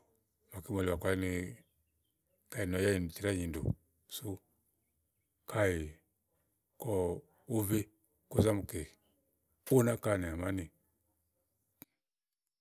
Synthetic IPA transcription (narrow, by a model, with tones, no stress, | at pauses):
ma˨ki˦mɔ˨li˨wa˨kwa˦ni˧˦ | ka˦˨i˨n˨ɔ˨ja˦ji˨n˨ti˨ɾa˦ɲi˨ndṵ˨ | su˦ | kʰa˦ji˨ | kɔ˨ | u˦vi˦ | ku˦za˦mu˨ke˨ | u˦na˦ka˦˨ni˨a˨ma˦ni˨